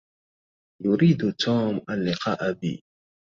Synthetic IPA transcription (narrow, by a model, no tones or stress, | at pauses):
jʊɾiːd̪ʊt̪ʰuːmʔalːɪqʰɑːʔabḭː